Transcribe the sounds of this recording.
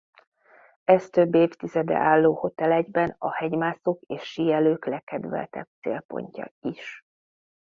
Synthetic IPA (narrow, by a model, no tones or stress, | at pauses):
ɛst̪ø̞bːeːft̪izɛd̪ɛ̰ʔaːlːoːho̞t̪ɛlɛɟbɛnɒhɛɟmaːsokeːʃːijɛløːklɛkɛd̪vɛ̰lt̪ɛ̰b̥̚t̪sḛːlpo̞̰ɲcɒ̰iʃ